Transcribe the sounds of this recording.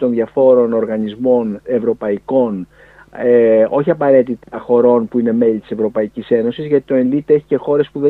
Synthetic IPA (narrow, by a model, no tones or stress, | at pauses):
t̪o̞nðjɐfo̞ɾo̞no̞ɾɣɐnizmo̞ne̞vɾo̞pɐiko̞n | eo̞çiɐpɐɾe̞t̪it̪ɐxo̞ɾo̞npuine̞me̞lit̪i̥se̞vɾo̞pɐicise̞no̞sizʝɐt̪i̥t̪o̞enlit̪e̞çi̥ce̞xo̞ɾe̞spuðe